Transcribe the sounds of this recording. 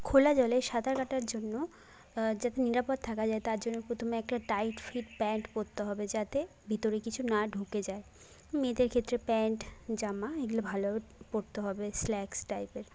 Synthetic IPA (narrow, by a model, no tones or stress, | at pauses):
kʰolad͡ʑɔleʃad̪ʱaɾkaʈaɾd͡ʑonːo | d͡ʑat̪eniɾapod̪̚t̪ʰakʰad͡ʑaet̪aɾd͡ʑonːeɾpɾot̪ʰomeɛk̚ʈaʈajʈfiʈpɛɳʈpoɾt̪eɦɔbed͡ʑat̪e | bʱit̪oɾekit͡ɕʰunaɖʱuked͡ʑae | med̪eɾkʰet̪ːɾepɛɳʈd͡ʑamaeɡulobʱalopoɾt̪eɦɔbeslɛksʈajpeɾ